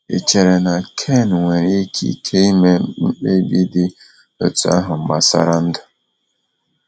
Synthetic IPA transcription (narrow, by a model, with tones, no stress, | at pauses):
ḛ˨t͡ʃe˨ɾe˨na˨kʰe˦˨n˨ŋʷe˨ɾe˦kʰḭ˦kʰe˦i˦me˦m̩˦k͡pe˦bi˦dɪ˦ | o̰˦tu˨a̰˦ɦʊ˨m̩˦ma˨sa̰˦ɾa˦n̩˦dʊ˨